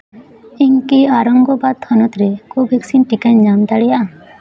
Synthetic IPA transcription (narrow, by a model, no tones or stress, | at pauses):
iŋkiaɾɔŋɡɔbad̪̚t̪ʰɔnɔt̪ɾekobʱeksinʈikand͡ʒamd̪aɽɛjaʔa